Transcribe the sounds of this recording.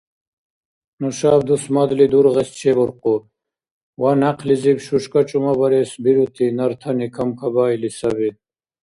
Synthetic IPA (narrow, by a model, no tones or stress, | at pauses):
nɔʃaːbd̪usmad̪lid̪uɾʁɛst͡ʃʰɛbɔɾqu | wanaqʰlizibʃuʃkʼat͡ʃʼumabɐɾɛːsbiɾut̪ʰinɐɾt̪ʰɐnikʰɐmkʰabaːilisɐbid̪̚